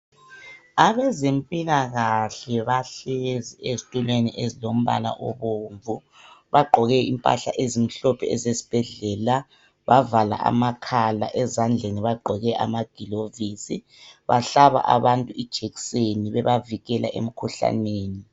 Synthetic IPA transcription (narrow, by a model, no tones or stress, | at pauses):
aβɛzempʼilaɣaɬɛβaɬeziezitʼulweniʔezilom̩βa̰la̰ʔɔβoɱvu | βaɡ͡ǃʱɔɣɛimpʼa̰ɬa̰ʔezim̩ɬɔpʰɛɛzesi̥b̥ʱɛɮɛla | βavala̰ʔa̰makʰala̰ʔɛzand͡ɮʱeniβaɡ͡ǃʱɔɣɛʔa̰maɡ̥ʱilovisi | βaɬaβa̰ʔa̰βantʼuid̥ʒ̥ʱeɣi̥seniβɛβaviɣɛlʔa̰ʔḛm̩kʰuɬa̰neːni